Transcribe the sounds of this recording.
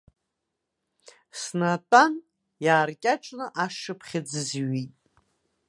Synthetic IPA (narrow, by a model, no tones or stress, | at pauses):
snatʼan | jaːrkʲʼaʈ͡ʂʼnɨʔaʂɨpʰχʲɪd͡zɨzɥitʼ